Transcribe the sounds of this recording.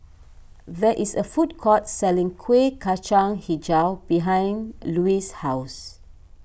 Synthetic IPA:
ðɛʔisəfut̚kʰɔtsɛlĩŋkʰwekʰat͡ʃãŋhid͡ʒawbiɦãj̃nluishaws

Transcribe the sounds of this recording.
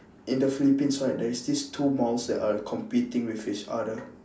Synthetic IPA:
ʔĩndəfilipĩnsaɪd̚dɛɹisdistʰumalsdɛ̰takʰɔ̃mpitĩŋwiθit͡ʃa̰də

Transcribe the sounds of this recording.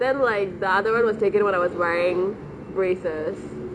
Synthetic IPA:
d̪ɛ̃nlaɪk̚d̪əad̪əwʌ̃nwɔzʈeːkə̃ŋwɛ̃naɪʋɔzwɛɹɪ̃ŋ | bɹeːsɪs

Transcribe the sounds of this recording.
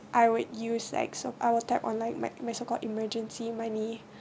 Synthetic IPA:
ʔajwud̚jusla̰ɪksoʔaɪwətʰɛpɔ̰̃nlaɪk̚ma̰ɪmajsokɔldiməd͡ʒə̃nsimãni

